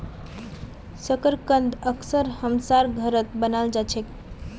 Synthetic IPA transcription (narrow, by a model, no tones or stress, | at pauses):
səkəɾkənd̪əksəɾhəmsaɾɡʱəɾət̪̚bənald͡ʒat͡ʃʰɛk